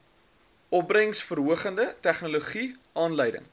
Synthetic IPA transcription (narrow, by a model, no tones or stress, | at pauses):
ʔɔp̚brəŋsfərɦuəχəndətæχnuluχi | ɑːnləjdə̰ŋ